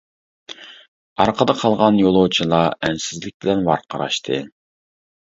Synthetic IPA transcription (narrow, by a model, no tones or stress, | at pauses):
ɑɾqʰəd̪ɑqʰɑlˠʁɑnjolˠowt͡ʃʰilˠɑɛnsɪzlɪk̚ʲb̥ɪlɛnwɑ̰ɾqʰɑɾɑ̰ʃt̪ʰɨ